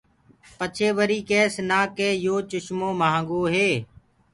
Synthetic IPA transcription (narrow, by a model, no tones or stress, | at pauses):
pət͡ʃʰeːʋəɾiːkɛːsnaːkeːjoːt͡ʃʊʃmõːmaɦːŋɡoːɦeː